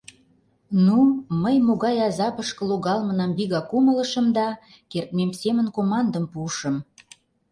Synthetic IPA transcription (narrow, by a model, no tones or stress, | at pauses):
numəjmoɣɑjɑzɑpəʃkə̆loɣɑlmə̆nɑmbiɣɑkumələ̆ʃəmd̪ɑ | kert̪̚memsemənkomɑnd̪əmpuʃə̆m